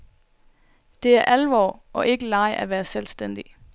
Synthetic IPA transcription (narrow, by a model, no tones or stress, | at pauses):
d̥e̝æɐʔælʋɒ̰ːʔɒ̽ʔe̝ɡ̥əlɑ̈ɪʔæʋæːɐselsd̥en̰d̥i